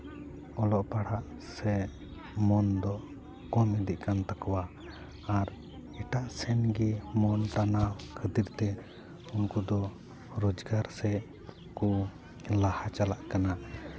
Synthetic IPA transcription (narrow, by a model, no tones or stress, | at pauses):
ɔlɔʔpaɽaʔ | sɛ | mɔnd̪ɔʔ | kɔmɛd̪iʔkant̪akɔwaː | ɾ | ɛʈaʔsɛnɡimɔnʈanawkʰəd̪iɾt̪ɛ | unkud̪ɔ | ɾɔd͡ʒɡaɾsɛ | ku | lahat͡ʃalaʔkana